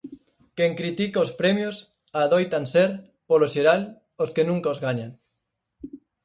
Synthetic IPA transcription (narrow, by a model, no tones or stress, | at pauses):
kɛŋkɾit̪ikaospɾɛmjos | aːðojt̪anseɾ | poloʃeɾal | oskenũŋkaozɣaɲaŋ